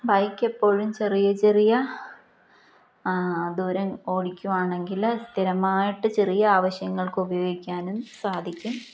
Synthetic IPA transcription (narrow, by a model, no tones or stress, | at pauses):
bɐjkːe̞pːo̞ːɻumt͡ɕerijɐt͡ɕe̞rijɐ | d̪uːɾɐmo̞ːɽikʲːuʋaːɳe̞ŋɡilst̪ʰiɾɐmaːjiʈːɨt͡ɕe̞rijɐaːʋɐɕjɐŋːɐɭkɨubɐjo̞ːɡikʲːaːnumsaːd̪ʱikʲːum